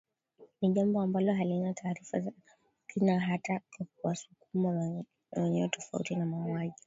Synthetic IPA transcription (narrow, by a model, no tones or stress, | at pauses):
niʄambɔambalɔɦalinatʰaːɾifaza | linaɦatakak̚uwasukuma | wɛɲɛɔtɔfaṵtinamauaʄi